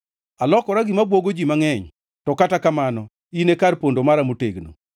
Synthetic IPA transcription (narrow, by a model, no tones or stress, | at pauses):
alɔkɔɾaɡɪmabwoɡod͡ʒimaŋɛɲ | tɔkatakamanɔ | inekaɾpondomaɾamoteɡno̰